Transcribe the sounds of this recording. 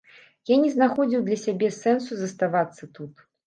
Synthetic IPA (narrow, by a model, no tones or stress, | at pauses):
janʲɛznaxɔd͡zʲiwd̪lʲɐsʲabʲɛsɛnsuzɐst̪avat̪sːɐt̪ut̪